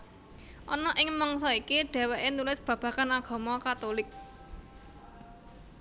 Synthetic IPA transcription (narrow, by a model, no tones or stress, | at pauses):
ʔɔnɔʔɪŋmɔŋsɔikiɖ̥ɛ̤wɛʔenulɪsb̥ä̤b̥ä̤kanaɡ̥ɔ̤mɔkat̪olɪk̚